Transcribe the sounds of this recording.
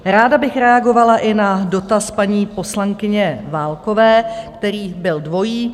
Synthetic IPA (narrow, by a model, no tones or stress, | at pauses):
ɾaːdabɪxɾɛaɡo̞valaʔɪnado̞t̪aspaɲiːpo̞slaŋkɪɲɛvaːlko̞vɛːkt̪ɛɾiːbɪldvo̞jiː